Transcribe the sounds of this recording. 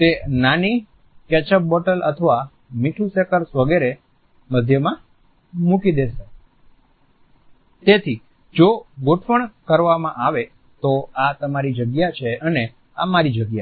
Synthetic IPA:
t̪enani | kɛt͡ʃəp̚bɔʈələ̰t̪ʰəʋa | miʈʰusekəɾsʋəɡeɾe | məd̪ʱjəmã | mukid̪eʃe | t̪et̪ʰi | d͡ʒoɡoʈʰʋəɳkəɾʋamãʔaʋe | t̪oat̪əmaɾid͡ʒəɡjat͡ʃʰeəne | amaɾid͡ʒəɡja

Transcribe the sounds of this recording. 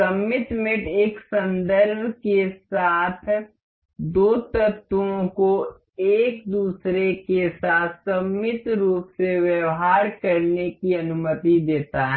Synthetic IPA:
sɐmɪt̪mɪʈeːksɐ̃nd̪əɾbʱkesaːt̪ʰ | d̪oːt̪ɐt̪wõko | eːk̚d̪uːsɾekesaːt̪ʰsɐmːɪt̪ɾuːpseʋjɐʋɦaːɾkɐɾnekiɐnʊmət̪id̪eːt̪aɦɛ

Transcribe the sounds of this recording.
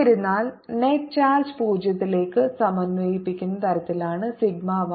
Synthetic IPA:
ɐɾunːaːlneʈ̚t͡ɕaːlspuːd͡ʑjɐt̪ːile̞ːkːɨsɐmɐnʋɐjipːikʲːunːɐt̪ɐɾɐt̪ːilaːɳɨsiɡ̚maːʋɐ

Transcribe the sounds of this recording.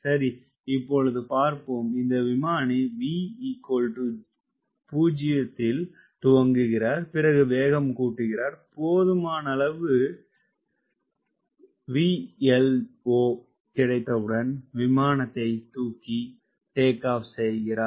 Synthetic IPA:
sɐɾi | ɪpːɔɻɯðɯpaːɾpɯmɪnd̪ɐʋɪmaːniʋiːikoːlʈɯ | puːd͡ʒɪjɐt̪ːɪl | t̪ʊʋɐŋɡɯɣɪɾaːɾpɪɾɐɣɯʋeːɣɐmkuːʈːɯɣɪɾaːɾpoːðɯmaːnɐɐlɐʋɯ | ʋiːɛloː | kɪɽɐɪt̪ːɐʋɯɽɐnʋɪmaːnɐt̪ːɐɪt̪uːkːi | ʈeːkːaːfsɛjɣɪɾaːɾ

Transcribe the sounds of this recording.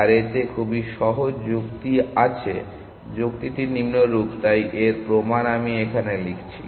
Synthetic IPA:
aɾet̪ekʰubiʃɔɦod͡ʑd͡ʑukt̪iat͡ɕʰe | d͡ʑok̚t̪it̪inimnoɾupt̪ajʔeɾpɾomanamiekʰanelikʰt͡ɕʰḭ

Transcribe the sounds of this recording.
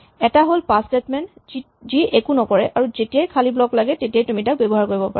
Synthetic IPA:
ɛtaɦolpastetmɛn | ziʔekunɔkɔɹɛʔaɹuzetijajkʰaliblɔklaɡɛtetijajtumitak̚bɛbɔɦaɹkoɹibɔpa̰a

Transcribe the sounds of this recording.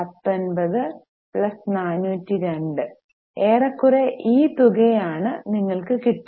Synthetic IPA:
ɐt̪ːɐnbɐðɨ | pɭɐsnaːnuːtːiɾe̞ɳɖɨ | eːrɐkːureʔiːt̪uɣɐjaːɳɨniŋːɐɭkɨkiʈː

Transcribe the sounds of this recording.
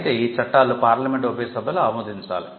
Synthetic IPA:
t̪eiːt͡ʃɐʈːaːlupaːɾlɐmeɳʈʋɐpɐjɐsɐbʱɐluɐɐmɐːd̪iɲt͡ʃa̰ːli

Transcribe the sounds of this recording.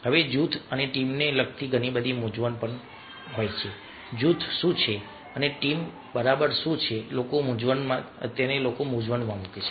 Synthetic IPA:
ɦəʋed͡ʒut̪ʰəneʈimnelək̚t̪ʰiɡʱənibəd̪ʱimud͡ʒʋənpəɳ | ɦojt͡ʃʰe | d͡ʒut̪ʰʃũt͡ʃʰe | əneʈim | bəɾabəɾʃũt͡ʃʰelokomũd͡ʒʋənmãə̰t̪janelokomud͡ʒʋənmãmuket͡ʃʰe̥

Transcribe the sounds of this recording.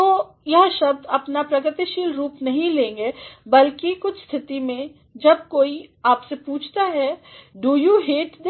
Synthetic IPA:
t̪oː | jɐɦʃɐb̚d̪ɐpnapɾɐɡɾɪt̪iʃiːlɾuːpnɐɦĩlẽːŋɡeːbɐlkikʊt͡ʃʰst̪ʰɪt̪imẽ | d͡ʒɐb̚koːiaːpsepuːt͡ʃʰt̪aɦɛɖuːjuːɦeːʈd̪e

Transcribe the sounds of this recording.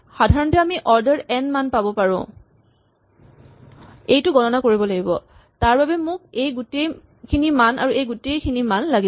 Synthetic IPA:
xadʱaɹɔntɛamiʔɔɹdɛɹɛnmanpabɔpaɹʊ̰̃ | ejtʊɡɔnɔnakoɹibɔlaɡibɔ̰ | taɹbabɛmʊk̚ejɡutej | kʰinimana̰ɹuejɡutejkʰinimanlaɡi

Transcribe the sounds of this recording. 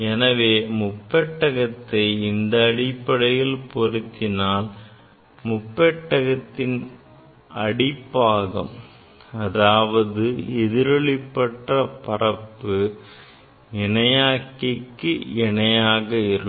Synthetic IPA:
ɛnɐʋeːmʊpːɛʈːɐɣɐt̪ːɐɪɪnd̪ɐːɽɪpːɐɽɐjɪlpɔrɪt̪ːɪnaːl | mʊpːɛʈːɐɣɐt̪ːɪn | ʔɐɽɪpːaːɣɐ̰m | ɐðaːʋɐðɯɛðɪɾɐɭɪpːɐʈrɐpɐrɐpːɯ | ɛɳɐjaːkːɪkːɯɛnɐjaːɣɐɪɾɯ

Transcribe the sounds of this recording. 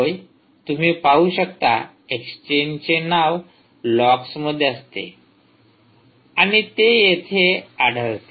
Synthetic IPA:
oj | t̪um̤iːpaɦuɕəkt̪a̰ | ekst͡ɕent͡ɕenaʋ | lɔksməd̪ʱːjeəst̪ḛ | aɽ̃it̪ejet̪ʰeaɽʱəɭt̪e

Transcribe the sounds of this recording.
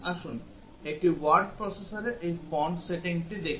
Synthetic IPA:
aʃun | ek̚ʈiwaɾɖ̚pɾɔsesaɾeʔejpɔɳɖseʈiŋʈid̪ekʰ

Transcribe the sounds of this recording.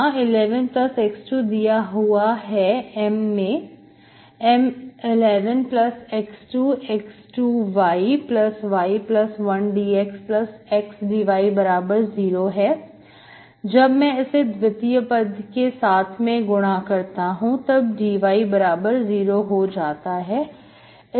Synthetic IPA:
ãɪlɛːʋənplɐsɛksʈuːd̪ijaɦuaɦɛɛmːẽ | ɛmɪlɛːʋənplɐsɛksʈuːɛksʈuːʋaːiplɐsʋaːiplɐsʋɐnɖiːeksplɐsɪksɖiːʋaːibɐɾaːbəɾziːɾoɦɛː | d͡ʒɐbmɛ̃ɪsed̪ʋɪt̪ijəpəd̪ʱkesaːt̪ʰmẽɡʊɽ̃akɐɾt̪aɦũt̪ɐb̚ɖiːʋaːibɐɾaːbəɾziːɾoɦod͡ʒaːt̪aɦɛː

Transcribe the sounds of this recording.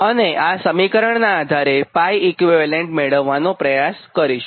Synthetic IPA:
əneʔasəmikəɾəɳnaːd̪ʱaɾepajikʋiʋaleɳʈmeɭəʋːanopɾəjaskəɾiʃ

